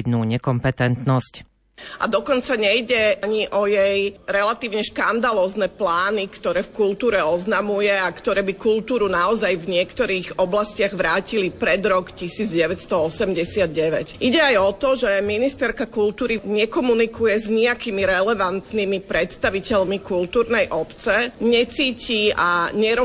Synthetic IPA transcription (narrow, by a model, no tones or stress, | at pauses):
d̪nuːɲɛkɔmpɛt̪ɛnt̪nɔsc | a̰d̪ɔkɔnt͡saɲɛjɟɛaɲiʔɔjɛjɾɛlat̪iːʊɲɛʃkand̪alɔːznɛːplaːnikt̪ɔɾɛːfkult̪uːɾɛɔznamujɛakt̪ɔɾɛːbikult̪uːɾunaɔzajvɲɪɛkt̪ɔɾiːɣɔblascɪaɣʋɾaːcilipɾɛd̪ɾɔkcisiːd͡zɟɛʋɛcst̪ɔɔsɛmɟɛsɪad̪̚ɟɛʋɛcʔiɟɛajɔt̪ɔʒɛminist̪ɛɾkakult̪uːɾiɲɛkɔmunikujɛzɲiakiːmiɾɛlɛʋant̪nimipɾɛt̪st̪aʋicɛʎmikult̪uːɾnɛjʔɔpt͡sɛɲɛt͡siːcia̰ɲɛɾɔ